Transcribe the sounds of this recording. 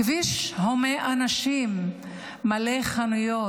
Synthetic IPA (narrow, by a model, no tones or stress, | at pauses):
viʃhomeʔanaʃimː | aleχanujo